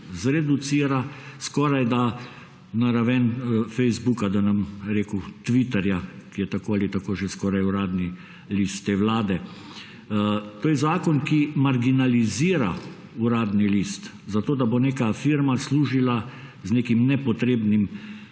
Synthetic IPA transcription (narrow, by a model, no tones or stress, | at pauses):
zɾɛd̪ut̪siːɾaskɔɾajd̪a | naɾaʋɛnfɛjzbukad̪anamɾeːkut̪ʋit̪ɛɾjakijɛt̪akoːalit̪akoːʒeskɔːɾajuɾaːd̪ni | list̪ːeːʋlaːd̪ɛ | t̪oːjɛzaːkɔnkimaɾɡinaliziːɾa | uɾaːd̪nilist̪ | zat̪oːd̪aboneːkafiːɾmasluːʒila | zneːkimnɛpɔt̪ɾeːbnim